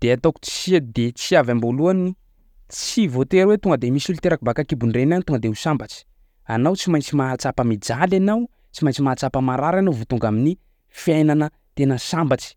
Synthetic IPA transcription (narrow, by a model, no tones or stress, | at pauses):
d̪̥eat̪oku̥t͡si̥id̪et͡siavamboluani | t͡sivot̪eɾwet̪uŋɡəd̪emisulit̪eɾakubakakibunrenanit̪uŋɡəd̪eɦusambat͡ʃi̥ | anawt͡simajnt͡simat͡sapəmid͡ʒalanaw | t͡ʃimajnt͡ʃimat͡sapəmaɾaɾanovut̪uŋɡamini | fjajnanə | t̪enəsambat͡ʃi̥